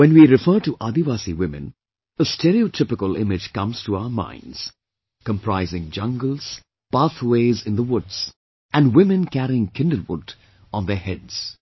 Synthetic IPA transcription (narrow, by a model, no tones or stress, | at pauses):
wɛ̃nwiɾɪfəːʈuʔad̪iʋaːsiwɪ̃mɨ̰̃n | əstʰɛɾiotʰɪpɪkəlˠɪ̰̃mɪd͡ʒkʌ̃mz̥tʰuaʊə˞mã̰ɪ̃ndz̥ | kə̃mpʰɹaɪzɪ̃ŋd͡ʒʌ̃ŋɡəl̩ˠz̥ | paθweɪzɪ̃nðəwʊdz̥ | æ̃nwɪ̃mɨ̃nkæɾiɪ̃ŋkʰɪ̃ndəlˠwʊ̰d | ɔ̃n̩ðə˞hɛdz̥